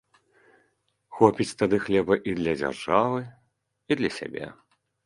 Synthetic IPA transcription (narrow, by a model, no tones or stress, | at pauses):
xɔpʲit͡sʲt̪ad̪ɨxlʲɛbɐʔid̪lʲɐd͡zʲa̰rʐavɨ | id̪lʲɐsʲa̰bʲḛ